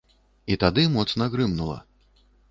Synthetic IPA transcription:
it̪ad̪ɨmɔt̪snɐɣɾɨmnulˠɐ̰

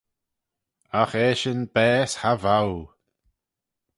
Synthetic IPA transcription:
axeːʃɪnbɛːshavaw

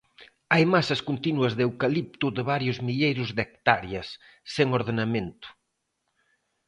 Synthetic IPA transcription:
ajmasɐskunt̪inuɐzðewkalip̚t̪uðeβaɾjʊzmiʎejɾʊzðek̚t̪aɾjɐsː | eŋoɾðenɐmẽnt̪ʊ̥

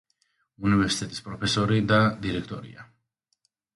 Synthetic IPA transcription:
univɛɾsit̪ʰʼɛt̪ʼi̥spʼɾɔpʰɛsɔɾid̪ad̪iɾɛkʰt̪ʼɔɾḭa̰

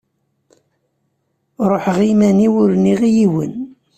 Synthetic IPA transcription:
ɾˤoħʁimæniwʊɾniʁijiwə̰n

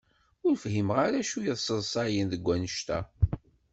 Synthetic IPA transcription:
ʊɾəfɦimʁaɾæʃujəðˤsəðˤsˤɑjənðəɡʷːænəʃt̪æ̰

